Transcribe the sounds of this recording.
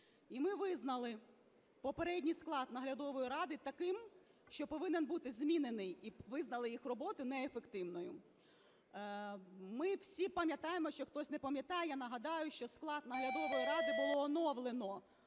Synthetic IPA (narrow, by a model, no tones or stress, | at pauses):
imɪʋɪznɐlˠɪ | pɔpeɾɛdʲnʲijsklˠɑd̪nɐɦlʲɐd̪ɔʋɔjiɾɑd̪ɪt̪ɐkɪm | ʃt͡ʃɔpɔʋɪnenbut̪ɪzʲmʲinenɪjiʋɪznɐlˠɪjixrɔbɔt̪ʊnɛefekt̪ɪʋnɔjʊ̰ | mɪwsʲipɐmʲjɐt̪ɑjemɔʃt͡ʃɔxt̪ɔsʲnepɐmʲjɐt̪ɑjɛjanɐɦɐd̪ɑjʊʃt͡ʃɔsklˠɑd̪nɐɦlʲɐd̪ɔʋɔjiɾɑd̪ɪbʊlˠɔːnɔʋlˠenɔ